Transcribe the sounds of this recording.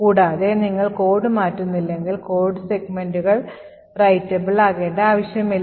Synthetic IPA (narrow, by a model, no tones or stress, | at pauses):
kuːɽaːðe̞niŋːɐɭko̞ːrɖɨmaːtːunːilːe̞ŋɡilko̞ːɖɨseɡme̞nduɣɐɭ | rɐjtːɐbiɭaːɣe̞ːɳɖeaːʋɐɕjɐmilː